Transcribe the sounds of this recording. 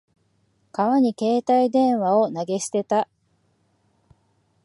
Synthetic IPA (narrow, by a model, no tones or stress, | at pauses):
kaβaɲ̟ike̞ːt̪aid̪ẽ̞ɰ̃βao̞naɡe̞ɕi̥t̪e̞t̪a